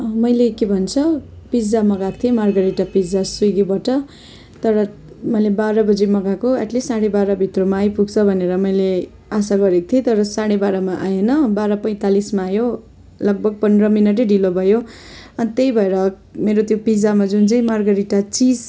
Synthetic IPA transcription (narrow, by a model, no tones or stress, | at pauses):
mʌjlekebʱʌnt͡sʰʌ | pid͡zamʌɡak̚t̪ʰiemarɡʌɾiʈapid͡zasuɡibʌʈʌ | t̪ʌɾʌ | mʌjlebaɾʌbʌd͡zemʌɡakoaʈlesaɽebaɾʌbʱit̪romaːjpuɡt͡sʰʌbʱʌneɾʌmʌjle | asaɡʌɾek̚t̪ʰet̪ʌɾʌsaɽ̃ebaɾʌmaʔajenʌbaɾʌpʌj̃t̪alismaːjo | lʌɡ̚bʱʌɡ̚pʌnrʌminʌʈ̬eɖilobʱʌjoʌnt̪ejbʱʌeɾʌ | meɾot̪jopid͡zamad͡zunt͡saĩmarɡʌɾiʈat͡sid͡z